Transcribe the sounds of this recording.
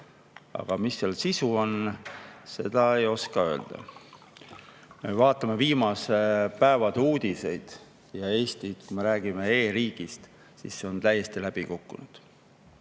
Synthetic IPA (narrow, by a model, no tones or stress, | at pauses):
ɑ̰ɡ̥ɑmisːelsisuo̞n | se̞d̪̥ɑe̞jo̞skɑø̞ːld̪̥ɑ̰ | me̞vɑːt̪ːˑɑme̞viːmɑsepæevɑd̪uːd̪̥ise̞jd̪̥ | jɑe̞ːst̪it̪kujme̞ɾæːɡ̥ime̞e̞ːɾiːɡ̥ist̪ | sḭsːe̞o̞nt̪æjːe̞st̪ilæb̥ikukːunud̪̥